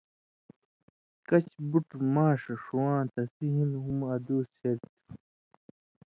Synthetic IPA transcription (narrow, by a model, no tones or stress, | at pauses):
kɐt͡ɕbuʈmaːʂɐʂuwãːt̪ɐsiɦĩnɦumɐd̪oːseɾt̪